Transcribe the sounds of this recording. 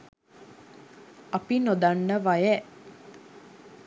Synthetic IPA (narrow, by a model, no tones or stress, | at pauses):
apinod̪anːəʋajə